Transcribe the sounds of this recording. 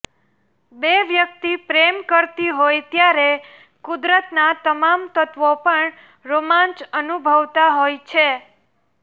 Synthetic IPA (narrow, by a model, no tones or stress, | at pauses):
beʋjək̚t̪ipɾemkəɾt̪iɦojt̪jaɾe | kud̪ɾət̪nat̪əmamt̪ət̪ʋopəɳ | ɾomãnt͡ʃənubʱəʋt̪aɦojt͡ʃʰe